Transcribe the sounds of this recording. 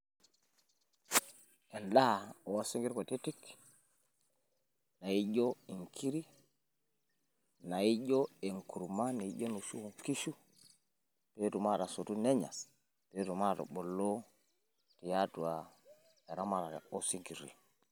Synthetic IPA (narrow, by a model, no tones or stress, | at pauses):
ɛnɗaɔsiŋɡiɾkotitik | najiɟɔiŋkʰiɾi | najiɟɔɛŋkuɾmaniiɟɔnusuuŋkiʃu | petumaɾasotunɛɲa̰ | petumatɔ̰ɓɔlːɔ | tijatuwa | ɛɾamaɾaɛ̰osiŋɡiɾḭ